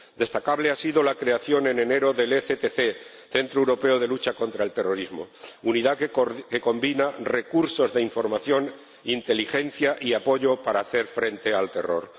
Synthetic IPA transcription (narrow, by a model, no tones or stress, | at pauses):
d̪e̞st̪akaβle̞asiðo̞lakɾe̞aθjo̞ne̞ne̞ne̞ɾo̞ðe̞leθet̪eθe̞ | θe̞nt̪ɾoewɾo̞pe̞oðe̞lut͡ʃako̞nt̪ɾae̞lt̪e̞ro̞ɾizmo̞̰uniðake̞ko̞mbinare̞kuɾso̞zðe̞iɱfo̞ɾmaθjo̞n | int̪e̞lixe̞n̟θjaʔiapo̞ʝo̞paɾaːθe̞ɾfɾe̞nt̪e̞alt̪e̞ro̞̰ɾ